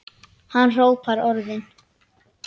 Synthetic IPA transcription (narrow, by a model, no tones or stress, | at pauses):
hanːr̥oːwpʰaɾɔɾðɪn